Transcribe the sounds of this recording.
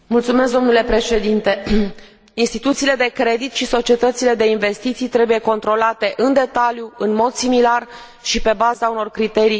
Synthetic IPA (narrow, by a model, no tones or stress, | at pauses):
mult̪sumeskd̪o̞mnule̞pɾe̞ʃe̞d̪int̪e̞ | inst̪it̪ut̪siːle̞d̪e̞kɾe̞d̪it̪ʃiso̞t͡ʃie̞t̪ət̪sile̞d̪e̞inve̞st̪it̪sijt̪ɾe̞buje̞ko̞nt̪ɾo̞lat̪e̞ʔɨnd̪e̞t̪aljuɨnmo̞d̪similar | ʃipe̞bazauno̞rkɾit̪e̞ɾij